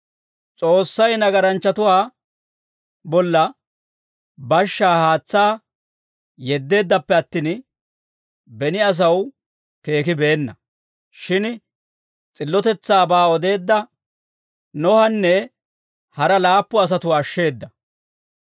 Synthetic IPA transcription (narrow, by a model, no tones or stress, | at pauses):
t͡sʼo̞ːsːɐjnɐɡɐɾɐnt͡ʃːɐt̪ʊwaː | bɔlːɐ | bɐʃːaːhaːt͡sːaː | jɛd̪ːe̞ːd̪ːɐpːɛɐt̪ːiːn | bɛnɪɐs̬ɐw | ke̞ːkɪbe̞ːnːɐ | ʃɪn | t͡sʼɪlːɔt̪ɛt͡sːaːbaːɔd̪e̞ːd̪ːɐ | nɔhɐnːɛ | hɐɾɐlaːpːɔɐs̬ɐt̪ʊwaːʃːe̞ːd̪ːɐ